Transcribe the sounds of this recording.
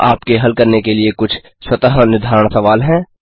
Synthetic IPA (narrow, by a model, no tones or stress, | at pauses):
aːpkeɦɐlkɐɾnekeliekʊt͡ʃʰ | swɐt̪əɦnɪɾd̪ʱaːɾəɳ̃sɐʋaːlɦɛ̃ː